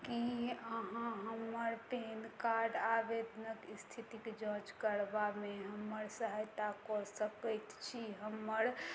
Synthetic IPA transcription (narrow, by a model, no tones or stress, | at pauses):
kiəɦãɦəməɾpenkaɾɖabed̪nəkist̪ʰit̪iked͡ʒə̃t͡ʃkəɾbameɦəmːəɾsəɦajt̪akɔsəkəjt̪t͡ʃʰiɦəməɾ